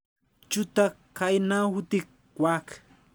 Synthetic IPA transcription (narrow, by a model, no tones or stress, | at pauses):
t͡ʃʊt̪a | kajnahʊt̪ɪ | wak